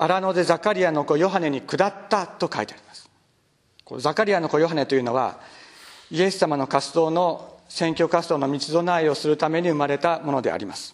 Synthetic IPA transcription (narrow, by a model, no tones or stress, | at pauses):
aɾano̞d̪e̞zakaɾʲijano̞ko̞jo̞ɦane̞ɲ̟ikɯ̟d̪at̪ːat̪o̞kait̪eaɾʲi̥masɨ̥ | ko̞̰zakaɾʲijanoko̞jo̞ɦane̞t̪o̞jɯ̟no̞βa̰ | ie̞sɨ̥sːamano̞kasɨd̪o̞ːno̞sẽ̞ŋkʲo̞kasɨd̪o̞ːno̞mʲit͡sɨd̪o̞naio̞sɨɾɯ̟t̪ame̞ɲ̟iɯ̟maɾe̞t̪amo̞no̞d̪e̞̰a̰ɾʲimasɨ̥